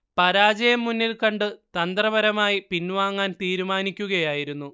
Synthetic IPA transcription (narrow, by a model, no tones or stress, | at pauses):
pɐɾaːd͡ʑɐjɐmːunːilkɐɳɖɨt̪ɐnd̪rɐbɐɾɐmaːjipinːʋaːŋːaːnt̪iːɾumaːnikʲːuɣɐjaːjiɾunːu